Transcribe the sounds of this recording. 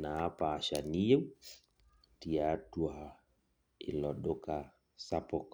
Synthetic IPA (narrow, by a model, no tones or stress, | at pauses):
naapaːʃaniu | tiatua | ḭlɔɗɔka | sapɔk